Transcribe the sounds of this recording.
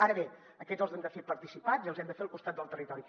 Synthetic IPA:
aɾəβe | əkɛzəlˠzɛmd̪əfepəɾt̪isipaziəlˠzɛmd̪əfeəlˠkust̪at̪̚d̪əlˠt̪ərit̪ɔɾi

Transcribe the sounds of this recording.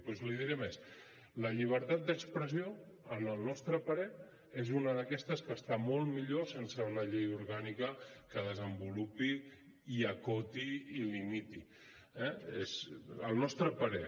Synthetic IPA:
pɔzliðiɾɛmes | ləʎiβ̞əɾt̪at̪̚d̪əkspɾəzio | ənəlˠnɔst̪ɾəpəɾɛ | ezunəðəkɛst̪əskəst̪amolˠmiʎosensəunəʎejuɾɣanikəkəð̞əzəmbulupi | iəkot̪iilimit̪i | ɛezəlˠnɔst̪ɾəpəɾɛ

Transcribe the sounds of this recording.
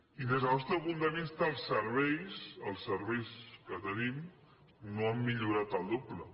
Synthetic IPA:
inəzɔst̪əβund̪ənist̪əːlˠsːəɾβ̞ɛjsəlˠsːəɾβɛjskət̪ənim | noəmːiʎuɾat̪əlˠd̪oblə

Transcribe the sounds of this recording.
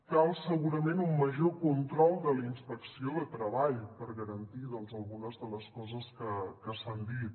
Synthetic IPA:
kalˠsəɣuɾəmenumːəʒokunt̪ɾɔlˠd̪əlinspəksioðət̪ɾəβaʎpəɾɣəɾənt̪iðəlˠzəlˠɣunəzðələskɔzəskəkəsand̪it̪̚

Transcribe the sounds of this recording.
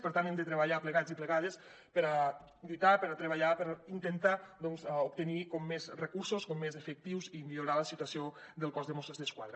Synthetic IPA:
pəɾt̪ant̪emd̪ət̪ɾəβaʎapləɣad͡zipləɣað̞es | pəɾa | d̪it̪apəɾat̪ɾəβaʎapəɾint̪ənt̪ad̪ɔnzup̚t̪ənikɔmːezrəkuɾsoskɔmːezəfək̚t̪iwzimiluɾaləsit̪uasiod̪əlˠkɔzðəmɔsəzðəskwa̰ðɾə

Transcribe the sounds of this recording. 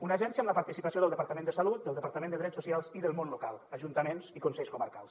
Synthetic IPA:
unəʒɛnsiəmləpaɾt̪isipəsioðəlˠd̪əpaɾt̪əmẽnd̪əsəlut̪̚d̪əlˠd̪əpaɾt̪əmend̪əðɾɛsusialˠziðəlˠmonlukalˠəʒunt̪əmenzikunsɛʎskuməɾka̰lˠs

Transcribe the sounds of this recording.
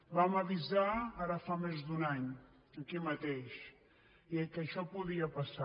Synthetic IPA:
bamaβizaaɾafamezd̪unaɲ | əkimɐt̪eʃ | iekəʃɔpuðiapasa

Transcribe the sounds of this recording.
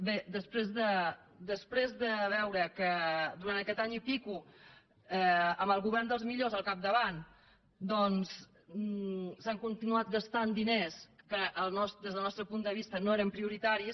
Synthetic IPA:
bed̪əspɾezðə | d̪əspɾezðəβɛwɾəkəd̪uɾant̪əkɛt̪aɲipiku | ɛəmbəlˠɣuβɛɾnd̪əlˠzmiʎozəlˠkap̚d̪əβan | d̪ɔns | saŋkunt̪inuat̪̚ɡəst̪and̪ineskəʔəlˠnɔsd̪ezð̞əlˠnɔst̪ɾəpund̪əβist̪ənoeɾəmpɾiuɾit̪aɾis

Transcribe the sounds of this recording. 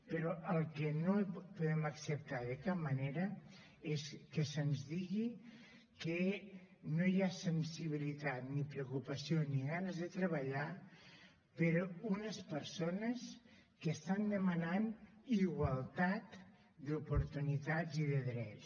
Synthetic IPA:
pəɾɔʔəlˠkənopuðɛməksəp̚t̪aðəkap̚məneɾə | eskəsənzðiɣi | kə | nojasənsiβilit̪at̪nipɾeukupəsioniɣanəzðət̪ɾəβ̞aʎa | pəɾunəspəɾsonəs | kəst̪and̪əmananiɣwalˠt̪at̪ | d̪upuɾt̪unit̪aziðəðɾɛs

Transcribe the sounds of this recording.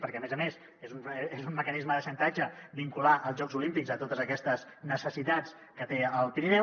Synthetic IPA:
pəɾkɛəmezəmez | ezunezunːəkənizməðəʃənt̪ad͡ʒəbiŋkulaʔəlˠzʒɔɡzulimpiɡzət̪ot̪əzəkɛst̪əz | nəsəsit̪at͡s | kət̪eəlˠpiɾinɛ

